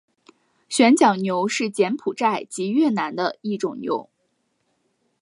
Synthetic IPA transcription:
ɕɥɛ˧˥nt͡ɕjɑ˨˩ʊnjo˧˥ʊʂɻ̩˥˩t͡ɕjɛ˧˥npʰu˨˩ʈ͡ʂa˥˩ɪt͡ɕi˧˥ɥɛ˥˩na˧˥nd̪ə˧i˥˩ʈ͡ʂʊ˨˩ŋnjo̰˧˥ʊ

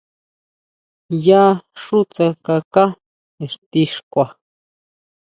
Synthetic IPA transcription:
ja˦ʂu˦t͡sa˧ka˧ka˦ | e˨ʂt̪i˧ʂkʷa˨

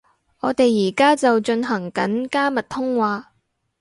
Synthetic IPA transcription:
ʔɔː˨˧t̪e˨jːiː˨˩kaː˥t͡sɐ˨wt͡ʃɵ˧nɦɐ˨˩ŋkɐ˨˥nkaː˥mɐ˨t̚t̪ʰʊ˥ŋwaː˧

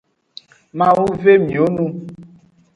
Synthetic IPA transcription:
mã˨wu˦ve˦mĩ˨o˦nũ˦

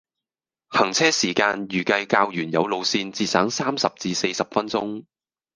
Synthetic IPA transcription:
hɐ˨˩ŋt͡sʰɛː˥siː˨˩kaː˧njyː˨˩kɐ˧jkaː˧wjyː˨˩njɐ̰˨˧wlo˨˧wsiː˧nt͡siː˧t̚saː˨˥ŋsaː˥msɐ˨p̚t͡siː˧se˧jsɐ˨p̚fɐ˥nt͡sʊ̰˥ŋ

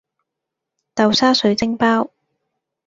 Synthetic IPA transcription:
t̪ɐ˨wsaː˥sɵ˨˥ɥt͡sɪ˥ŋpaː˥w

